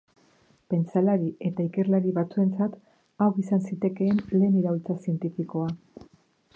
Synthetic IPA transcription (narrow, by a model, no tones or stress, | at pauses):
pe̞nt͡salaɾie̞t̪aike̞rlaɾiβat͡sue̞nt͡sat̪ | awɣisansit̪e̞ke̞ːnle̞ːniɾault͡sasie̞nt̪ifiko̞a